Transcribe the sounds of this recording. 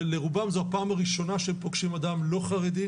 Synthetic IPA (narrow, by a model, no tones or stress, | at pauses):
leʁubamzohapaːmaʁiʃo̞naʃempoɡʃimadamlo̞χaʁed̪i